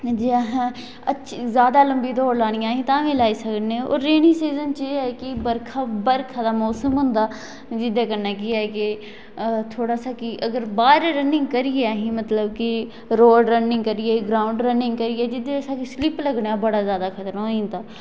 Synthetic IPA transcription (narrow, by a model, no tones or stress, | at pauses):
d͡ʒeːɦã | ətːʃʰzjaːd̪aːləmbiːd̪oːɾlaːɽ̃ɪjãːɦĩːt̪ãːʋẽːlaːiːsəknẽo̰ːɾːeːnĩːsiːzənt͡ʃeːɛːkɪbəɾkʰaːbəɾkʰaːd̪aːmɔːsəmɦʊ̃nd̪aː | d͡ʒɪd̪eːkəɾnaːkɪaːɛkɪ | t̪ʰoːɽaːsaːkiʔəɡəɾbaːɾɾənɪ̃ŋɡkəɾɪjeaːɦĩːmət̪ləbkɪ | ɾoːɖɾənɪ̃ŋɡkəɾɪːeɡɾaːʊɳɖɾənɪ̃ŋɡkəɾɪjɛːd͡ʒɪd̪eːsaːkislɪpləɡɳãːbəɽaːzjaːd̪aːkʰət̪ɾõĩːnt̪aː